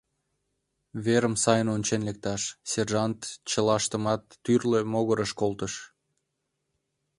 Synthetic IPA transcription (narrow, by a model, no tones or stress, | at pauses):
βeɾəmsɑjənonʲt͡ɕenlek̚t̪ɑʃserʒɑnt̪t͡ɕəlɑʃt̪əmɑt̪ːyrlemoɣəɾəʃkolt̪əʃ